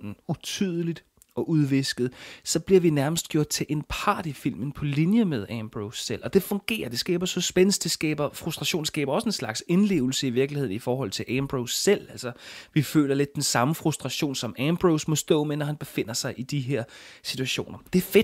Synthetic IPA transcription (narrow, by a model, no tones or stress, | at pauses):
n̩ut͡sʰyðˠəlid̥ | ɒ̽ʔuð̞ˠʋe̝sɡ̥ð̩ˠsɒ̽b̥liɐʋinæɐməsd̥̚ɡ̥jo̝ɐ̰d̥̚t͡sʰe̝lʔe̝npʰɑ̰̈ːd̥ifil̰mn̩pʰɒ̽linjəmeð̞ˠæmb̥ʁoʊsːel̰ɒ̽d̥e̝fɔ̽ŋɡ̥e̝̰ːɐd̥e̝sɡ̥ɛ̰ːb̥ɐsɒ̽sb̥enəs̚d̥e̝sɡ̥ɛːb̥ɐfʁusd̥ʁɑ̈ɕo̝̰ːn̩sɡ̥ɛ̰ːb̥ɐɒ̽səe̝nslɑ̈ɡ̥senle̝̰ːʊl̩səiʋiɐɡ̥lihe̝ð̞̰ˠn̩ifɒːɦɒ̽l̰ˠt͡sʰe̝lʔæmb̥ʁoʊsel̰æl̰sɐʋifø̰ːlɐle̝d̥ːensɑ̈məfʁusd̥ʁɑ̈ɕo̝̰ːnsɒ̽mæmb̥ʁoʊsmɔ̽sd̥ɔ̰̽ːmenɒhænb̥e̝fe̝n̰ɐsɑ̈ɪʔid̥iɦeɐ̰sit͡sʰuæɕo̝̰ːnʔɐd̥e̝æɐfed̥